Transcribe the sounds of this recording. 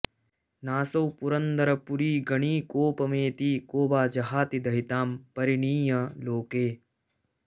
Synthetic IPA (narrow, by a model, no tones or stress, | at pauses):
naːsɐwpuɾɐnd̪ɐɾɐpuɾiːɡɐɳiːkoːpɐmeːt̪iːkoːbaːd͡ʒɐɦaːt̪id̪ʱɐɦit̪aːmpɐɾiɳiːjɐloːkeː